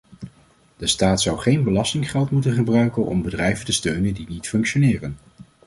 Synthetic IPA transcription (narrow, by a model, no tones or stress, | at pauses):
d̥əstaːtsʌwχejnbəlɑstɪŋχɛlˠtmutənχəbrœɥkənʔɔ̰mbədrɛjvəntəstøɥnəndinitfɵŋkʃonɪːrən